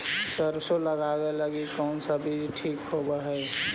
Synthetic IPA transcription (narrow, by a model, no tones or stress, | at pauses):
səɾsoləɡaɡeləɡikɔʊnsabʱid͡ʒʈʰiːkhobaɦɛ